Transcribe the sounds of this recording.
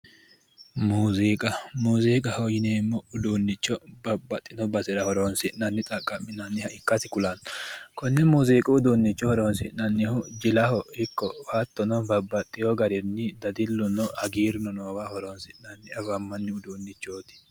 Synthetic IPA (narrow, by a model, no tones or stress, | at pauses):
muːziːkʼɐmuːziːkʼɐhɔjɪneːmːɔʊd̪uːnːɪt͡ʃːɔbɐbːɐt̪ʼːɪnɔbɐsɪɾɐhɔɾoːnsɪʔnɐnːɪt̪ʼɐkʼːɐmːɪnɐnːɪhɐɪkːɐsɪkʊlɐnkɔnːɛmuːziːkʼʊʊd̪uːnːɪt͡ʃːɔhɔɾoːnsɪʔnɐnːɪhɔd͡ʒɪlɐhɔhɪkːɔfɐt̪ːɔnɔbɐbːɐt̪ʼːɪjɔɡɐɾɛnːɪd̪ɐd̪ɪlːʊnɔhɐɡiːɾɪnɔnoːwɐhɔɾoːnsɪʔnɐnːɪɐvɐmːɐnːɪʊd̪uːnːɪt͡ʃːoːt̪ɪ̥